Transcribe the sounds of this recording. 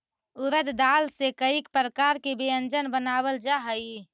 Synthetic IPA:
uɾəd̪d̪alsekəikpɾəkaɾkebeənd͡ʒənbənabəld͡ʒaɦəi

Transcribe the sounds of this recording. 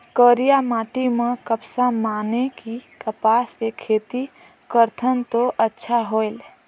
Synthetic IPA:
kəːɾijamaːʈimẽkəpsamaːnekikəpaːsekʰːeːt̪i | kəɾt̪ʰənt̪oʔətːʃʰaɦoːel

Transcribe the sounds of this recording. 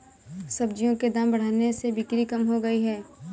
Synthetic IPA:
sɐbd͡ʒijõked̪aːmbɐɽ̤aːnesebɪkɾikɐmɦoɡɐiɦɛː

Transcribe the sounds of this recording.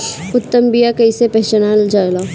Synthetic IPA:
ʊt̪ːəmbijakɐisepɐɦt͡ʃənald͡ʒaːlaː

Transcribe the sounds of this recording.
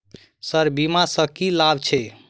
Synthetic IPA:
səɾbimasəkilabt͡ʃʰɛ

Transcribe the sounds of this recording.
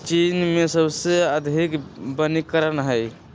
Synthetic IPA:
t͡ʃinmesəbseəd̪ʱikbənikːəɾənɦəj

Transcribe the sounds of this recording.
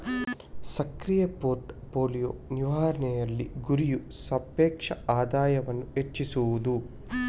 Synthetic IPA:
sɐkɾijɐpoːɾʈpoːlijoːniʋaːɾɐɳɛjɐlːiɡuɾiju | sɐpɛːkʂɐaːd̪aːjɐʋɐnːuet͡ʃːisuʋud̪u

